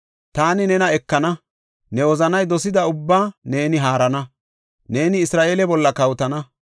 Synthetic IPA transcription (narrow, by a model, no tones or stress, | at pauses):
t̪aːnɪnɛnɐɛkːɐnɐ | nɛwɔzɐnɐjd̪ɔsɪd̪ɐʊbːaːne̞ːnɪɦaːɾɐnɐ | ne̞ːnɪːsɾaːʔeːlɛbɔlːɐkɐwt̪ɐnɐ